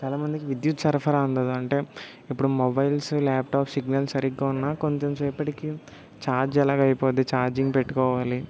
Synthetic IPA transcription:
t͡ʃaːlaːmɐnd̪ikiʋid̪jut̪ːsɐɾpʰɐɾaːund̪ɐd̪ɐɳʈe̞ː | ipːuɽumobɐjlslaːp̚ʈaːpsiɡnɐlsɐɾiɡːaːunːaːkoɲt͡ʃomsɛːpɐʈiki | t͡ʃaːɾd͡ʒɛlaːɡɐɐjpoːd̪it͡ʃaːɾd͡ʒiŋɡpeʈːu̥kɔːʋaːli

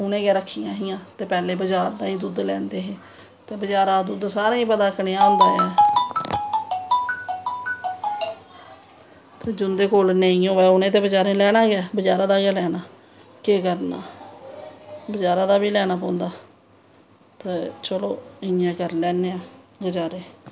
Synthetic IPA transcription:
ʊnẽːɡɛːɾəkʰːijãːɦijãːt̪eːpɛːleːbəd͡ʒaːɾd̪ãːĩːd̪ud̪lɛːnd̪eːɦeː | t̪eːbəd͡ʒaːɾaːd̪ud̪saːɾãːĩːpəd̪aːkneːãːɦʊ̃nd̪aːaː | t̪eːd͡ʒʊnd̪eːkoːlnẽːĩõːʋɛːʊnẽːt̪̬eːbəd͡ʒaːɾẽːlɛːɽaːɡɪaːbəd͡ʒaːɾaːd̪aːɡaːlɛːnaː | keːkəɾna̰ː | bəd͡ʒaːɾãːd̪aːbiːlɛːnaːpɔ̃ːnd̪aː | t̪eːt͡ʃəloːɪjãːkəɾlɛːneːaːɡəd͡ʒaːɾeː

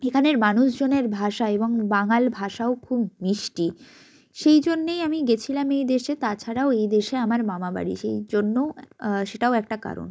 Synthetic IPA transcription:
ekʰaneɾmanuʃd͡ʑoneɾbʱaʃaeboŋbaŋalbʱaʃaokʰubniʃʈi | ʃejd͡ʑonːejamiɡet͡ɕʰilamejd̪eʃet̪at͡ɕʰaɾaoejd̪eʃeamaɾmamaba̰ɽḭʃejd͡ʑonːoʃeʈaoɛkʈaka̰ɾo̰n

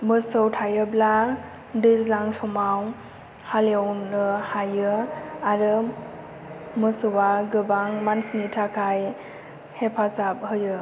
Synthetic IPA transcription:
mɯsɯwtʰajɯbla | dizlaŋsɔmaw | halewnɯhajɯaɾɯ | mɯsɯwaɡɯbaŋmansnitʰakʰaj | hepʰazap̚hɯjɯ

